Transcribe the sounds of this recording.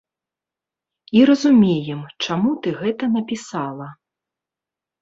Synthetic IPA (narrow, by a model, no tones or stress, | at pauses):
iɾɐzumʲejɛmt͡ʂamut̪ɨɣɛt̪ɐnɐpʲisalˠɐ